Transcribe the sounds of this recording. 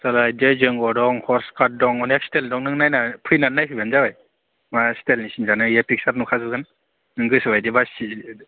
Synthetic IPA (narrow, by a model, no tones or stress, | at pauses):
salajdezɯŋɡɔdɔŋhɔɾskʰat̚dɔŋɔnak̚steldɔŋnɯŋnajnapʰɯjnanːajpʰɯbanzawaj | mastelnisinzanɯjepʰik̚saɾnukʰazɯɡɯn | nɯŋɡɯsɯwajdibasi